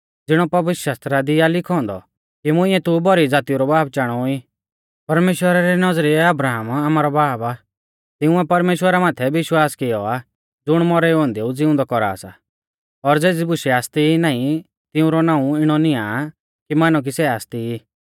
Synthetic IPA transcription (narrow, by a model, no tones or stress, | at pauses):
d͡zɪɽ̃ɔpɐʋɪʃaːst̪ɾad̪ɪjalɪkʰɔ̃ːnd̪ɔ̰ | kimʊ̃ɪ̃ɛt̪ʊbɔɾid͡zaːt̪iuɾɔbaːb̚t͡ʃaːɽ̃ɔi | pɐɾmeːʃwəɾaɾɛnɐzɾiɛɐbɾaːɦamaːmaːɾɔbaːba | t̪ɪʊ̃ɛpɐɾmeːʃwəɾamãːt̪ʰɛʋɪʃwaːskɪjɔa | d͡zʊɽ̃mɔɾɛɔ̃ːnd̪eud͡zɪʊ̃nd̪ɔkɔɾa̰ːsa̰ | ɔɾd͡zeːd͡zibʊʃɛaːst̪iinaːĩ | t̪ɪʊ̃ɾɔnãːũɪɽ̃ɔnɪa | kimaːnuk̬isɛaːst̪iiː